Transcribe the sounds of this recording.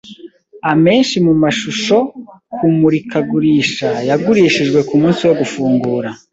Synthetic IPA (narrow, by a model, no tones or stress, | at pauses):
ame̞ːnʃimumaʃuʃo̞kʰumuɾikaɡuɾiːʃajaɡuɾiːʃiʒɡwe̞kumuːnsiwo̞ɡufuːŋɡuːɾa